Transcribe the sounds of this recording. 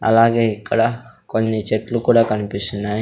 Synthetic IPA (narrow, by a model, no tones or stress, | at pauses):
ɐ̰laːɡeːikːɐɽaː | konːit͡ʃeʈlukuːɽaːkɐnipist̪unːaj